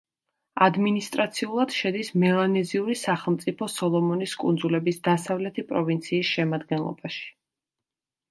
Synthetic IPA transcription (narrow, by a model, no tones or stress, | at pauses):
ad̪minist̪ʼɾat̪sʰiulˠad̪̥ʃɛd̪ismɛlˠanɛziuɾisaχɛlˠmt̪sʼipʰɔsɔlˠɔmɔniskʼṵnd̪zulɛbisd̪asavlɛt̪ʰipʼɾɔvint̪sʰiːsʃɛmad̪ɡɛnlˠɔ̰baʃi̥